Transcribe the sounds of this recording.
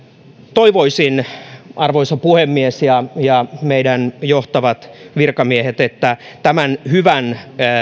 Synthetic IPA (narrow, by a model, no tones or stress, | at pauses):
t̪oiʋoisinʔɑrʋoisɑpuhemːiesjɑjɑmeidænjoht̪ɑʋɑt̪ʋirkɑmiehet̪et̪ːæt̪æmænhyʋæn